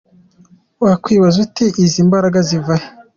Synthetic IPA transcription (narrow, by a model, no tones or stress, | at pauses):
wakwiːβazutiʔiziːmbaɾaɡazivaje